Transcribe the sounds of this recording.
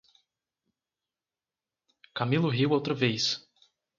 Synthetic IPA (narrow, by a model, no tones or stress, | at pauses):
kamilʊɦiwowt̪ɾɐvejs